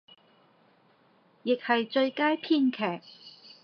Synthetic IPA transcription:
jɪ˨k̚hɐ˨jt͡ʃɵ˧ɥkaː˥jpʰiː˥nkʰɛː˨˩k̚

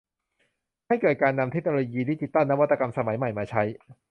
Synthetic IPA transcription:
ha˥˩jkɤː˨˩t̪̚kaː˧nːa˧mt̪ʰe˦˥k̚noː˧oː˧jiː˧diː˦˥˩t͡ɕ̪i˨˩t̪ːa˥˩nːa˦˥wa˦˥t̪ːa˧ka˧msa˧ma˩˦jma˨˩jmaː˧t͡ɕʰa˦˥j

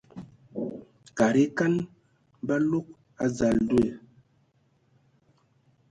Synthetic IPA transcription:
ka˨ɾi˦ka˦n | ba˦lo˦k̚ | a˦za˨ldwe˨

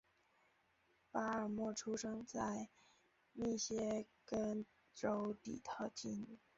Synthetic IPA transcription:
pa˥ə˞˨˩mwɔ˥˩ʈ͡ʂʰu˥ʂɤ˥ŋt͡sa˥˧ɪ | ni˥˩ɕjɛ˥kə˥n | ʈ͡ʂo˧˥ʊt̪ḭ˨˩t̪ʰɑ˥˩ʊt͡ɕi˥˧n˨˩

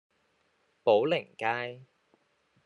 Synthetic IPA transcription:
po˨˥wlɪ˨˩ŋkaː˥j

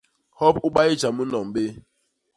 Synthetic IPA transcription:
hɔ˦pʊ˦ɡ͡ba˦ɪ˦d͡ʒa˨mu˦nɔ˨m̩˨be˦

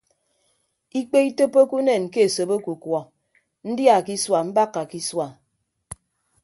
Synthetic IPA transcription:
i˦k͡pe˦i˦to˦po˦ku˦ne˨nke˦e˨so˨bo˦ku˨kwɔ˨ | n̩˦dja˨ki˦swa˨m̩˦ba˦kːa˨ki˦swa˨

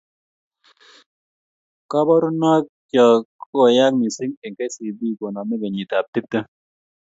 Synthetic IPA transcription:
ka˦bɔ˦ɾu˦na˦k̚ | t͡ʃɔ˨ko˦˨ja˦k̚mi˨si˦ŋɛ˨ŋke˦si˨bi˦˨ko˨nɔ˨mɛ˦ɡa˨ɲi˨ta˨p̚ti˦p̚tə˦

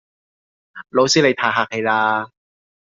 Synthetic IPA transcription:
lo˨˥wsiː˥le˨˧jt̪ʰaː˧˩ɦaː˨˩k̚he˨˧jlaː˧

